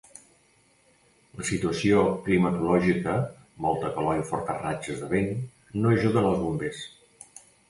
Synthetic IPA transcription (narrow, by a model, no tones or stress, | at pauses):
ləsit̪uəsioklimət̪ulɔʒikə | mɔlˠt̪əkəlɔiufɔɾt̪ərat͡ʃəzðəβenː | oəʒuðəːnəlˠzβumbes